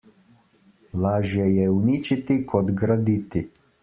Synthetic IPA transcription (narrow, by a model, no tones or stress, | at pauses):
laʒjɛjɛunit͡ʃit̪ikʰɔd̪ɡɾad̪it̪i